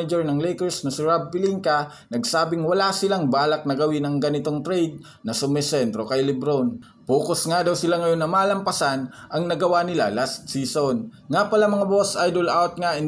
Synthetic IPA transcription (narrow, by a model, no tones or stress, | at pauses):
ɐd͡ʒɛɹnɐŋlɛjkɛɹsnɐsɪɹab̚pɪliŋkɐ | nɐɡsaːbɪŋwɐlasɪlaŋbaːlɐk̚nɐɡɐwɪnɐŋɡɐnɪt̪oŋt̪ɾɛjd̪̚ | nɐsʊmɪsɛnt̪ɾokɐjlɪbɾon | puːkosŋad̪ɐwsɪlaŋɐjo̞nːɐmaːlɐmpɐsanʔɐŋnɐɡɐwanɪla̰last̪̚siːson | ŋapɐlamɐŋabo̞sʔajd̪olʔawt̪̚ŋaʔɪn